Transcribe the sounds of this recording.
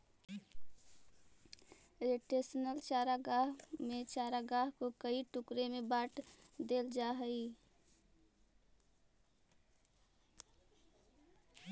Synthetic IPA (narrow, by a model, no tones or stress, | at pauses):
ɾeʈesənəlt͡ʃaːɾaɡaːɦmet͡ʃaːɾaɡaɦkokəiʈʊkɾemebaːʈʰd̪eːld͡ʒaːɦəi